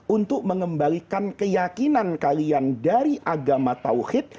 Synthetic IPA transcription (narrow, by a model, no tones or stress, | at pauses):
unt̪ʊk̚məŋəmbalikankəjakinankaliandaɾiʔaɡamat̪a̰whɪt̪̚